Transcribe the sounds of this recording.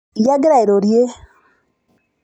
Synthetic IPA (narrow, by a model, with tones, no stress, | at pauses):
ja˦ɡɾa˨i˨ɾo˨ɾje˦